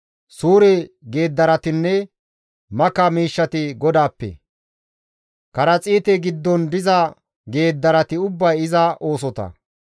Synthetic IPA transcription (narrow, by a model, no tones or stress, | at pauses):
suːɾɛɡe̞ːd̪ːɐɾɐt̪ɪnːɛ | mɐkɐmiːʃːɐt̪ɪɡɔd̪aːpːɛ̰ | kɐɾɐt͡sʼiːt̪ɛɡɪd̪ːɔnd̪ɪzɐ | ɡe̞ːd̪ːɐɾɐt̪ɪʊbːɐjɪzɐʔo̞ːs̬ɔt̪ɐ̰